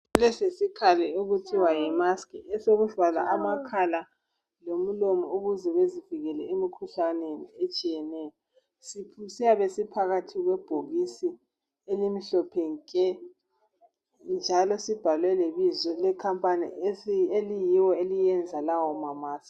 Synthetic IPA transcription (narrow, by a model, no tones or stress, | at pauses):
lɛsesikʰalɛuɣutʰiwajɛmaskʰʼiɛsoɣufala̰ʔamakʰala | lom̩lomɔuɣuzɛɣweziviɣɛlɛemikʰuɬaneniet͡ʃʼijɛnɛːjɔ | sipʰusijaβesipʰaɣatʰiɣwɛb̥ʱoɣisi | elimiɬɔpʰeŋkʼɛ | nd͡ʒʱalɔsib̥ʱalwɛleβizɔlɛkʰampʼanḭelijiwɔelijɛnd͡zʱalawɔmamaːsk